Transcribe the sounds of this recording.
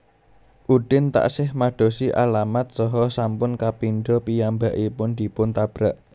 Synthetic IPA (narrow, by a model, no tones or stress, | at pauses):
ʔud̪̥ɪnt̪a̰ʔsɪhmaɖ̥o̤siʔa̰lamat̪̚sɔɦɔsampʊnkapinɖ̪ɔpijambaʔipʊnd̪̥i̤pʊnt̪ab̥ɾaʔ